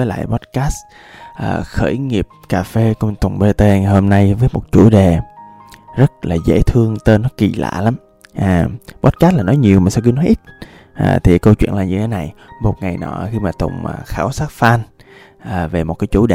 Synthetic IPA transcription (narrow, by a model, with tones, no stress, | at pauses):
vəː˨˦jla̰ː˧˨jɓɔ˦˥t̚kaː˦˥s | ʔəː˨˩xəː˧˩jŋi˨˩əp̚kaː˨˩fe˧kʊ˧ŋ͡mt̪ʊ˨˩ŋ͡mɓe˧t̪e˧˨ho˧mna˧jvəː˨˦jmo˨˩t̚t͡ɕu˧˩ɗe˨˩ | zə˦˥t̚laː˨˩zḛ˧˥t̪ʰɨ˧əŋt̪əː˧nɔ˨˦kḭ˨˩la̰ː˧˨la˨˦m | ʔaː˨˩ɓɔ˦˥t̚ka˦˥st̚laː˨˩nɔ˨˦jɲi˨˩əwmaː˨˩sɛ˧ki˨˦nɔ˨˦jʔi˦˥t̚ | ʔa̰ː˨˩t̪ʰi˨˩kə˧wt͡ɕwḭ˧˨ənlaː˨˩ɲɨ˧t̪ʰe˨˦na˨˩jmo˨˩t̚ŋa˨˩jnɔ̰˧˩xi˧maː˨˩t̪ʊ̰˨˩ŋ͡mʔəː˨˩xaː˧˩wsaː˦˥t̚faː˧n | ʔəː˨˩ve˨˩mo˨˩t̚kaː˨˦jt͡ɕu˧˩ɗe˨˩